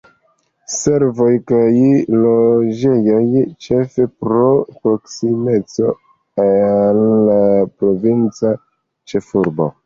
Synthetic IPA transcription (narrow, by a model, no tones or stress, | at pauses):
se̞ɾvo̞jkajlo̞d͡ʒe̞jo̞jt͡ʃe̞fe̞pɾo̞pɾo̞ksime̞t͡so̞ | lːapɾo̞vint͡sa | t͡ʃe̞fuɾbo̰